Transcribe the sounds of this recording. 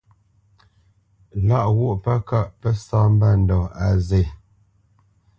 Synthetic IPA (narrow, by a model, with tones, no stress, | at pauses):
la˦ʔwo˦ʔpa˦ka˦ʔpə˦saː˦m̩˦ba˦˨n̩˨dɔ˨a˨ze˨